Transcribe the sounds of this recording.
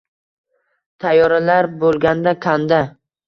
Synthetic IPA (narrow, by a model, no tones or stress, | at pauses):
t̪ʰajːɒɾalaɾbolˠɡʲand̪akʲʰand̪a